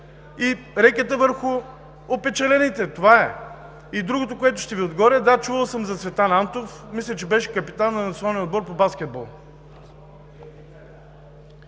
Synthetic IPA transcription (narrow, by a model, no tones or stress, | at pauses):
i | ɾɛkʲət̪əvəɾxʊ | opɛt͡ʃɛlɛnit̪ɛt̪ovaɛ | id̪ɾuɡot̪okoɛt̪ʊʃt̪ɛviod̪ɡɔɾəd̪at͡ʃuvəlˠsəmzɐsvɛt̪anant̪ofmislʲət͡ʃɛbɛʃɛ̥kɐpit̪anːɐnɐt̪sionanɛnod̪bɔɾpobaskʲɛd̪̚bɔlˠ